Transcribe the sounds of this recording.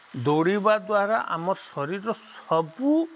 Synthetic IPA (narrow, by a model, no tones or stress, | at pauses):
d̪oɽibad̪waɾaʔa̰mɔɾsɔɾiɾɔsɔbu